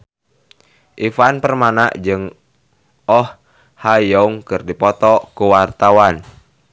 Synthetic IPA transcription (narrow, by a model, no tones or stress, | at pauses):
ʔifanpərmanaʔd͡ʒɨŋ | ɔh | hajɔuŋkɨrdipɔt̪ɔkuwart̪awan